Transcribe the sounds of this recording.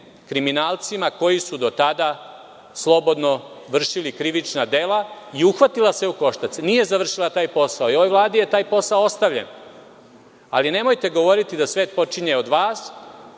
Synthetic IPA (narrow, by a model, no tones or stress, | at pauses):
kɾiminaːlt̪simako̞jisud̪o̞t̪ad̪a | slˠo̞bo̞d̪no̞ | ʋr̩ʃilikɾiʋit͡ʃnad̪e̞laiuxʋat̪ilˠaseuko̞ʃt̪at̪senije̞zaʋr̩ʃilˠat̪aːjpo̞saoio̞ʋojʋlˠaːd̪ije̞t̪aːjpo̞saoost̪aʋʎḛn | a̰line̞mo̞jt̪e̞ɡo̞ʋo̞ɾit̪id̪asʋeːt̪̚po̞t͡ʂiɲe̞od̪ʋaːs